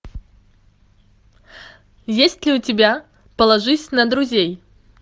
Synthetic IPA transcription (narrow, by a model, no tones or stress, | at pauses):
jesʲtʲlʲiutʲɪbʲa | pɐlˠɐʐɨsʲnɐd̪ɾuzʲej